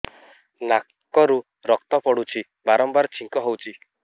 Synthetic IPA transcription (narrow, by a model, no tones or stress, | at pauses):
na | kɔɾu | ɾɔk̚t̪ɔpɔɽut͡ʃʰi | baɾɔmbaɾt͡ʃʰiŋkɔɦowt͡ʃʰi